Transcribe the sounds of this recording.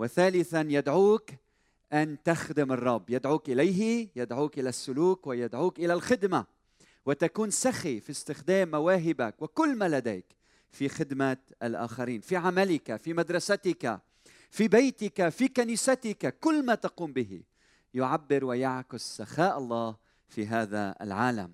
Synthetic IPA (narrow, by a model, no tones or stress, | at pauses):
wɪθaːlɪθanjɪd̪ʕuːk | ʔant̪axd̪ɪmɨrˤːɑbːjɪd̪ʕuːkʔɪlajɦɪjɪd̪ʕuːkʔɪlasːʊluːkwɪjad̪ʕuːkʔɪlalxɪd̪ma | wɪt̪akuːnsaxifist̪ɪxd̪eːmːawaːɦɪbakwɪkʊlːmaːlad̪eːk | fixɪd̪ma | ʔalʔa̰ːxaɾiːnfiʕamalɪkafimad̪ɾˤɑsat̪ɪka̰ | fibajt̪ɪkafikaniːsat̪ɪkakʊlːmaːt̪aquːmbɪɦḭ | jʊʕabːɪɾwɪjaʕkʊsːaxaːʔɑlˤːɑːh | fiɦaːða̰ɪ̰lʕaːla̰m